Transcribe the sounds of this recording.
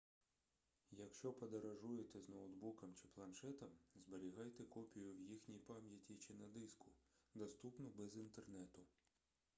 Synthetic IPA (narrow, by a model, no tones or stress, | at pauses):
jɐkʃt͡ʃɔpɔd̪eɾɐʒujet̪ɛznɔwd̪bukɐmt͡ʃɪ̥plˠɐnʃɛt̪ɐmzbeɾʲiɦɑjt̪ɛkɔpʲijʊwjixnʲijpɑmʲjɐtʲit͡ʃɪnɐd̪ɪskʊd̪ɔst̪upnɔbɛzint̪ernɛt̪ʊ